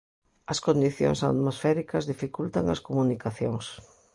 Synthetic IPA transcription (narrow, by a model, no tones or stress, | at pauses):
ɐskond̪iθjo̰ŋsa̰t̪mosfɛɾikɐzðifikult̪aŋɐ̰skomunikaθjo̰ŋs